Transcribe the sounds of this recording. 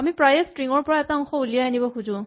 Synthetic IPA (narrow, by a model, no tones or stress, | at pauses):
amipɹajɛstɹiŋɔɹpɔɹaɛtaɔŋxɔulijaanibɔkuzʊ̃